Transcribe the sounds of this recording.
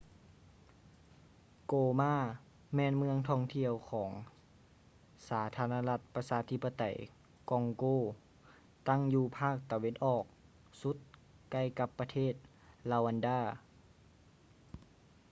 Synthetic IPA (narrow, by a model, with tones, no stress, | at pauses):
koː˧˩maː˧˥˩ | mɛː˧˥˨nmɯ˧əŋt̪ʰɔː˧˨ŋt̪ʰi˧əwkʰɔː˩˦ŋ | saː˩˦t̪ʰaː˧˥naː˧la˧t̪̚pa˧saː˧˦t̪ʰi˧˥pːa˧t̪a̰˨˩˦j | kɔ˧ŋkoː˧˩ | t̪a˥˩ŋjuː˧˩pʰaː˥˩k̚t̪a˧we˧˥˨nʔɔː˨˩k̚ | su˧˦˥t̪̚ | ka˧˩jka˧˦pːa˧t̪ʰeː˥˩t̪̚ | laː˧˩wa˧ndaː˧˩